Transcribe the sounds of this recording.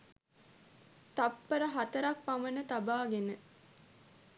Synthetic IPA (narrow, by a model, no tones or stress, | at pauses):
t̪apːəɾəɦat̪əɾak̚pamənət̪abaːɡenə